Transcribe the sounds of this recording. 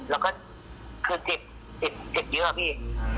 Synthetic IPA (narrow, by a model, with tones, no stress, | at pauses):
lɛː˦˥wkɔː˥˩ | kʰɯː˧si˨˩p̚ | si˨˩p̚si˨˩p̚jɯ˦˥˧pʰiː˥˩